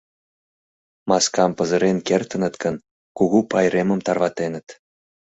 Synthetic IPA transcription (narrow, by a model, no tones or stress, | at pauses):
mɑskɑmpə̆zə̆ɾenkert̪ə̆nə̆t̪kə̆n | kuɣupɑjɾemə̆mt̪ɑrβɑt̪enə̆t̪